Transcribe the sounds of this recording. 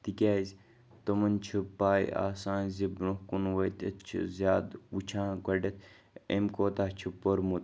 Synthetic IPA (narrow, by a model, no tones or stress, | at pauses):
t̪ikʲaːizʲ | t̪ɐmɐnt͡ʃʰɨpaːjḭa̰ːsãːnzibɾuhkunwɐjt̪ɐ̰t̪t͡ʃʰḭzʲaːd̪ut͡ʃʰãːɡɐɖɐt̪ʰ | ḛmkoːt̪at͡ʃʰupoɾmut̪